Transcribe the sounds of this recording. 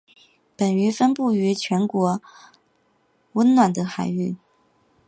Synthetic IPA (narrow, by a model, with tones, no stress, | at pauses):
pə˨˩ny˧˥fə˥npu˥˩y˧˥t͡ɕʰɥɛ˧˥nkwɔ˧˥ | wə˥nnwa˨˩nd̪ə˦xa˨˩ɪy˥˩